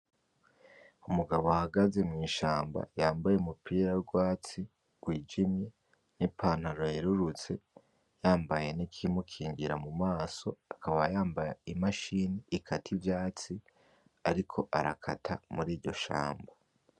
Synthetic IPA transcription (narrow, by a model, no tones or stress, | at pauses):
umuɡaβoahaɡaze̞mŋiːʃaːmba̰jaːmbajeumupʰiːɾaɾɡwaːt͡si | ɡ̥wiːd͡ʒimɲe̞ | nipʰaːn̥haɾojiɾuɾut͡se̞ | jaːmbaje̞nikʰimukʰiːɲɡiɾamumaːso̞akaβajaːmbajaimaʃiːniikʰatʰivjaːt͡si | aɾikʰo̞ʔaɾakʰatʰa̰muɾiːɾɟo̞ʃa̰ːmba